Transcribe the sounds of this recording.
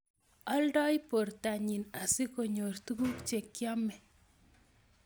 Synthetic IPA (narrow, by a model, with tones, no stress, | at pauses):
ɔ˦lɖɔ˦jpo˨ɾt̪a˨ɲi˨na˨si˦ko˨ɲo˨rt̪u˦ɡu˦kt͡ʃe˨kjɔ˦mɛ˨